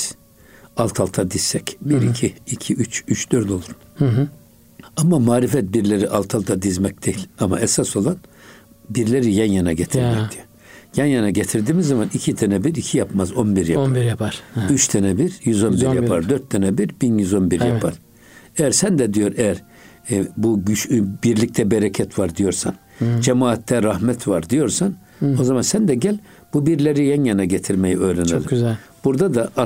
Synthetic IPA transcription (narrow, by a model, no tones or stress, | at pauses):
alˠt̪ʰalˠt̪ʰad̪izssɛcbiɾicʰiːcʰiʔyt͡ʃyt͡ʃd̪̥øɾd̪olˠuɾun | amamaːɾifɛt̪̚biɾlʲeɾiʔalˠt̪ʰalˠt̪ʰad̪izmɛcd̪̥ejilʲama̰ɛsaso̞lˠan | biɾlʲeɾijænjanaɟet̪ʰiɾɾmɛcd̪ʰiø | jɛnjanaɟet̪ʰiɾd̪iːmizːamanicʰit̪ʰɛnɛbiɾicʰijapmazo̞nbiɾjaɾjapʰaɾyt͡ʃt̪ʰɛnɛbiɾjyzo̞nbijapʰaɾd̪øɾt̪ʰːɛnɛbiɾbinjyzo̞nbiɾjapʰaɾ̥ | ejæɾsænd̪ɛd̪ijo̞ɾejæɾ | buɟyʃbiɾlʲic̚t̪ʰɛbeɾɛcʰɛt̪vaɾd̪ijo̞ɾsan | d͡ʒɛmaːt̪ʰːɛɾahmɛt̪ʰvaɾd̪ijo̞ɾsan | o̞zamansænd̪ɛɟælʲ | b̥ubiɾlʲeɾijɛnjanaɟet̪ʰiɾmejiøːɾenelʲibuɾd̪ad̪aʔa